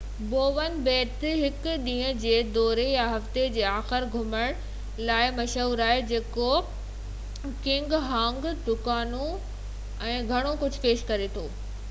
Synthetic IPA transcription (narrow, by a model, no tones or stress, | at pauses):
boːʋənbeːt̪ɦɪkɗ̪ĩːə̃̆d͡ʑeːd̪ɔːɾejaɦɐft̪ed͡ʑeːaːxɪɾɡʱʊməɽ̃ | laːɪmɐʃuːɾaːed͡ʑeːko | kɪ̃ŋɡɦãːŋɡd̪ʊkaːnũ | ɛ̃ːɡʱɐɽ̃okʊd͡ʑʱʊ̆peːʃkɐɾet̪ʰoː